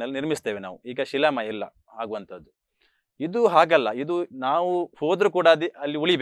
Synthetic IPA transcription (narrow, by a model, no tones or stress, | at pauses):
ɐlːniɾmist̪eːʋena̰ːʋuiːɡɐʃilɐmɐilːɐ̰ | haːɡuʋɐnt̪ʰɐd̪ːu | id̪uɦaːɡɐlːɐid̪unaːʋuhoːd̪ɾukuːɽaːd̪iʔɐlːiuɭibe